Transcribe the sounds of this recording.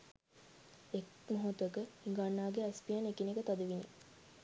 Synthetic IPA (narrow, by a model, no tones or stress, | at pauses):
ek | moɦot̪əkəiŋɡanːaːɡeæspijanekinekət̪ad̪əʋinḛ